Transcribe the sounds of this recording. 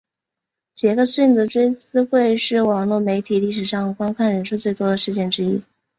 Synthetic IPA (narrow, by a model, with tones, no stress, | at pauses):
t͡ɕjɛ˧˥ɡə˥˧ɕy˥˩nd̪ə˩ʈ͡ʂwe˥ɪt͡sɹ̩˥xwe˥˧ɪʂɻ̩˥˩wɑ˨˩ŋlwɔ˥˩me˧˥ɪt̪ʰi˨˩li˥˩ʂ̬ɻ̩˨˩ʂɑ˥˩ŋkwa˥nkʰa˥˩nɻə˧˥nʂu˥˧t͡swe˥˩ɪt̪wɔ˥d̪ə˨ʂɻ̩˥˧t͡ɕjɛ˥˩nʈ͡ʂɻ̩˥i˥